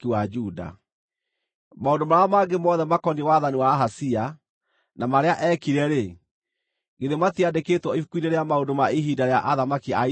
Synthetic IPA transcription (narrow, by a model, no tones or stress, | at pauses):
kiwad͡ʒuda̰ | maondomaɾamaɡemɔðɛmakɔnewaðaniwaɦasia | namaɾeaʔɛkiɾɛɾe | ɡeðematiadeketwɔifukwineɾeamaondomaiɦidaɾeaʔaðamakia